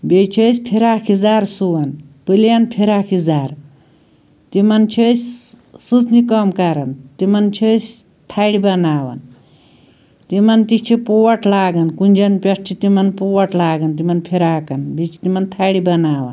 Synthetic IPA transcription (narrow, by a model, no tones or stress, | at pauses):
bet͡ʃʰəsʲpʰiɾaːkʰizaːɾsuʋɐnpɨljanpʰiɾaːkʰizaːɾ | t̪imɐnt͡ʃʰəsʲ | sɨt͡snikɐmkɐɾɐnt̪imɐnt͡ʃʰəsʲ | t̪ʰaːɽibɐnaːʋɐ̰n | t̪imɐnt̪it͡ʃʰipuwɐʈʰlaːɡɐnkunʲd͡ʒɐnpʲɐʈ̚ʰt͡ʃʰit̪imɐnpuwɐʈlaːɡɐnt̪imɐnpʰiɾaːkɐnbet͡ʃʰi̥t̪imɐnt̪ʰaːɽibɐnaːʋɐ̰n